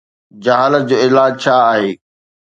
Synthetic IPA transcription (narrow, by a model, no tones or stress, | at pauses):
d͡ʑɐɦaːləd͡ʑoːɪlaːd͡ʑt͡ɕʰaːɦeː